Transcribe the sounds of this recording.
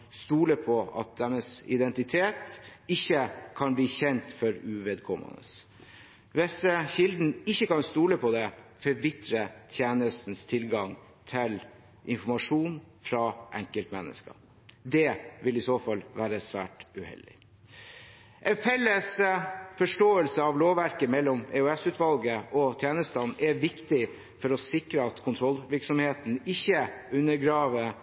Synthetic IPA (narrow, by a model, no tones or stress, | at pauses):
st̪uːləpʰɔɑ̰t̪̚d̪ɛnəsɪd̪ɛnt̪ɪt̪ʰeːt̪ɪçːəkʰɑnbliːçɛnt̪fɔɾʉʋeːd̪kʰɔmːə̰nə̰s | ʋɪsəçɪld̪n̩ɪçːəkɑnst̪uːləpʰɔd̪ɛfɔɾʋɪt̪ɾət̪ʰjeːnəst̪n̩st̪ʰɪlɡɑŋ | t̪ʰɪl | ʔɪnfɔmɑʂuːnfɾɑːʔɛ̰ŋkəlt̪mɛ̰nːə̰skɑ̰ | d̪ɛʋɪlɪsoːfɑlʋæːɾəsʋæ̰ːʈʉhɛ̰ld̪ɪ̰ | ʔɛnfɛlːəsfɔʂʈoːəlsəɑʋloːʋʋæɾkəmɛlːɔmɛʉɛsʉːt̪ʋɑlɡəʔɔt̪ʰjeːnəst̪ɑnːɛʋɪkt̪ɪ | fɔɾɔsɪkɾəɑt̪kʰʊnt̪ʰɾɔlːʋɪɾksɔmheːt̪n̩ɪçːəʉnːəɡɾɑːʋə